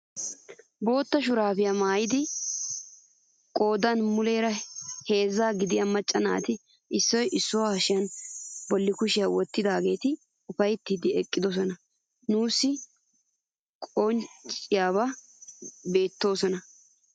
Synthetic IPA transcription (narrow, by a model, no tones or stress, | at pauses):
bo̞ːt̪ːɐʃʊɾaːfɪjamaːjɪd̪ɪ | kʼo̞ːd̪ɐnmʊle̞ːɾɐhe̞ːzːaːɡɪd̪ɪjamɐt͡ʃʼːɐna̰ːt̪ɪ | ʔɪsːɔjʔɪsːʊwaʃɪjɐnbɔlːɪkʊʃɪjawɔt̪ːɪd̪aːɡe̞ːt̪ɪ | ʊfɐjt̪ːiːd̪ɪɛkʼːɪd̪ɔs̬ɔnɐ | nuːsːɪ | kʼɔnt͡ʃt͡ʃʼɪjaːβɐ | be̞ːt̪ːo̞ːsɔnɐ